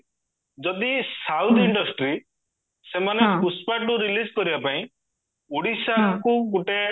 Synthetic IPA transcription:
d͡ʒɔd̪isawt̪ʰiɳɖɔsʈɾi | semanepuspaʈuɾilid͡ʒkɔɾibapaĩ | uɽisakuɡuʈe

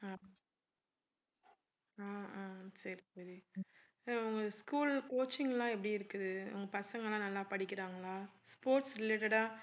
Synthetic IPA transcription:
aː | aːaːsɐɾisɐɾi | ʊŋɡɐskuːlkoːt͡ʃːɪŋɡɐlãːɛp̬ːɐɽiɪɾɯkːɯðɯʊ̰ŋɡɐpɐsɐŋɡɐɭlãːnɐlːaːpɐɽɪkːɪɾaːŋɡɐɭaːspoːɾʈsɾɪleːʈɐɽaː

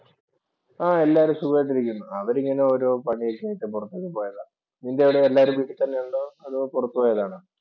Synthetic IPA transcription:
aːe̞lːaːɐɾumsubɐɐʈ̬ːiɾikʲːunːuɐʋɐɾiŋːɐneoɾopɐɳijokːaːjiʈːɨpurɐt̪ːekːepo̞ːjɐða | nindeʋiɽeːlːaːoɾumʋiːʈːɨt̪ɐnːe̞juɳɖɨɐðɨpurɐt̪ːupoːjɐðaːɳɨ

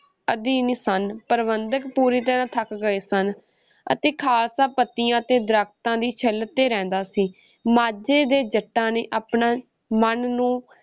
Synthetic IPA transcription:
əd̪iːnisənpəɾʋənd̪əkpuːɾiːt̪əɾãːt̪ʰəkɡəeːsən | ə̰t̪eːkʰaːlsaːpət̪ːɪjãːət̪eːd̪ɾakʰt̪ãːd̪iːt͡ʃʰəlt̪ːeːɾɛ̃ːnd̪aːsiː | maːd͡ʒeːd̪eːd͡ʒəʈːãːneːʔaːpɳaː | mənnũː

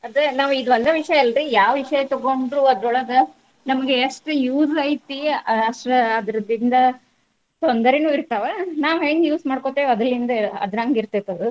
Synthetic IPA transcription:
ɐd̪ɐnaːʋuid̪uʋɐnd̪eʋiʂɐjɐelɾijaːʋʋiʂɐjɐt̪ɔɡoɳɖɾuɐd̪ɾuɭɐd̪ɐ | nɐmɐɡeːʂʈjuːsɐjit̪iɐʂʈɐɐd̪ɾɐd̪ind̪ɐ | t̪ond̪ɐɾenuːiɾt̪ɐʋenaːʋɦe̞ːŋɡjuːsmaːɖkot̪eːʋɐd̪ɾɐlːind̪ɐɐ̰d̪nɐŋɡiɾt̪et̪ːɐd̪u

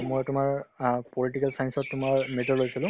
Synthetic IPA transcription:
mojtʊmaɹpoliʈikalsajnsɔtːʊmaɹmetɔɹlojsilʊ̃

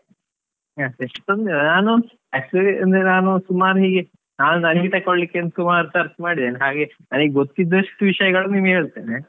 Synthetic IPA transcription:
aːeʂʈond̪enaːnu | ɐsɐnd̪ɾenaːnusumaːɾɦiːɡe | naːnunɐniɡit̪ɐkːoɭlikːent̪sumaːɾut̪ɐɾsmaːɽid̪eːneɦaːɡe̞naːniɡeɡot̪ːid̪ːoʂʈːuʋiʂɐjɐɡɐɭunimeːɭt̪eːne

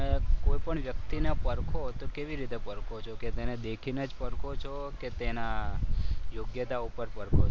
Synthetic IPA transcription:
koipəɳʋjəkt̪inepəɾkʰot̪okeʋiɾit̪epəɾkʰot͡ʃʰoket̪ened̪ekʰinəd͡ʒpəɽkʰot͡ʃʰoket̪ena | joɡjət̪aupəɾpəɾkʰo

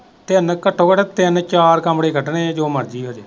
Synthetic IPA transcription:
t̪eənkəʈʰːoːkəʈːt̪ɪənt͡ʃaːɾkəmɽeːkʰəʈɳeːd͡ʒoːməɾd͡ʒiːɦoːd͡ʒeː

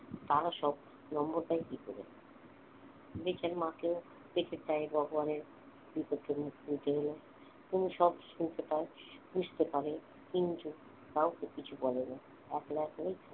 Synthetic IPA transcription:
t̪aɾaʃɔb | nɔmboɾt̪aekikoɾḛ | bet͡ɕaɾmãkeo | peʈʰet͡ɕaeɡɔɡobaneɾ | bipoɾkʰːemuk̚t̪iit̪eɦolo | t̪umiʃɔbʃunt̪et̪aeb̥ud͡ʑʱt̪epaɾe | kint̪u | k̪awkekit͡ɕʰubɔlena | ɛklaɛklejt̪ʰ

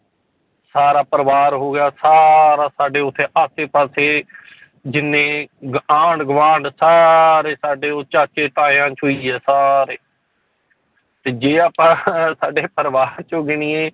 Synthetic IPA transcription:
saːɾaːpəɾʋaːɾɦoːɡɪjaːsaːɾaːsaːɖeːʊt̪ʰːeːʔaːseːpaːseː | d͡ʒɪnːẽːɡãːɳɖɡʋãːɳɖsaːɾeːsaːɖeːoːt͡ʃaːt͡ʃeːʈaːjãːt͡ʃɦoːiːɦɛːsaːɾeː | t̪eːd͡ʒeːaːpãːsaːɖeːpəɾʋaːɾt͡ʃoɡɪñiːeː

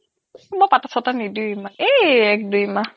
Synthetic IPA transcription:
bɔpatasʰɔtanidumaeɛk̚dujma

